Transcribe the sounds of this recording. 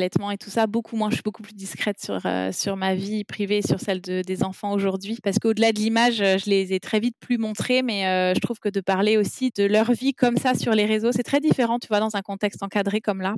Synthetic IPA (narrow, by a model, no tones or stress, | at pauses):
lɛt̪mɑ̃et̪u̥sabokʰumwɛ̃ʒəʃɥibokuplyd̪iskχɛt̪syʁø̰syʁmavipχiveːsyʁsɛld̪əd̪ezɑ̃fɑ̃oʒuʁd̪ɥipaʁsə̥kəod̪əlad̪əlimaʒøʒəlezɛt̪χɛvit̪plymɔ̃t̪χemɛøʒət̪χuv̥kəd̪əpaʁleosid̪̥əlœʁvikɔmsasyʁleʁezosɛt̪χɛd̪ifeʁɑ̃t̪yvwad̪ɑ̃zɛ̃kɔ̃t̪ɛkst̪ɑ̃kad̪ʁekɔmla